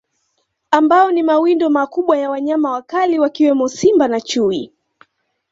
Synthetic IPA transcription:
ambaɔnimawindɔmakuɓwajawaɲamawakaliwakiwɛmɔsimbanat͡ʃui

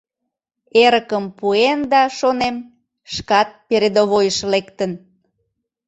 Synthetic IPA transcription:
eɾəkəmpuend̪ɑʃonem | ʃkɑt̪̚peɾed̪oβojəʃlekt̪ən

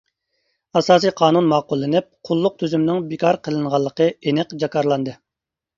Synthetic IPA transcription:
ɑsɑːs̬ɨjqʰɑːnunmɑːqʊlˠːɨnɪp̚qʰʊlˠːʊq̚t̪ʰyzymnɪŋbikʰɑɾqʰəlˠɨɴʁɑlˠːəqəenɪqd͡ʒɑkʰɑɾlˠɑnd̪ɨ

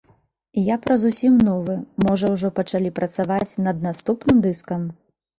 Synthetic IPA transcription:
ijapɾɐzusʲimnɔvɨmɔʐɐwʐɔpɐt͡ʂalʲipɾɐt̪savat͡sʲnɐd̪̚nast̪upnɨmd̪ɨskɐm

